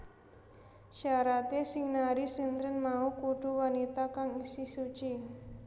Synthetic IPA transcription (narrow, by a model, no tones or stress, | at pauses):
ʃaɾat̪esiŋnaɾisint̪ɾənmaukuɖ̥uwanit̪akaŋisɪhsut͡ʃi